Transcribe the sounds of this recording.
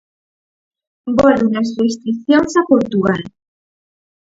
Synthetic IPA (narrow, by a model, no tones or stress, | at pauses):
bɔlunɐsrest̪ɾikθjoŋsakoɾt̪ual